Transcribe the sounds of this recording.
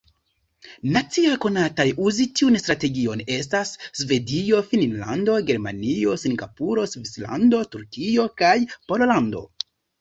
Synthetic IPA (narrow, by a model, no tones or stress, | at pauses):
nat͡siajko̞natajuzitiunstɾate̞ɡio̞ne̞stasːve̞dio̞fininla̰ndo̞ɡe̞ɾmanio̞siŋɡa̰puɾo̞svisla̰ndo̞tuɾkio̞kajpo̞lolando̞̰